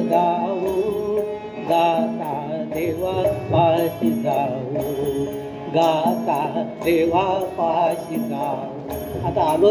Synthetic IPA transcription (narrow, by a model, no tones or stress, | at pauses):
d̪aɦu | ɡat̪ad̪eʋapaɕikaɦu | ɡat̪ad̪eʋapaɕika | u | at̪alo